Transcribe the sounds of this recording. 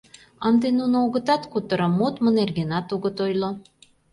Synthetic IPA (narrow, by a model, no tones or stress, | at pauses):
ənd̪enunooɣə̆t̪ɑt̪kut̪ə̆ɾɤ̆mːot̪mənerɡenɑt̪uɣə̆t̪ojlo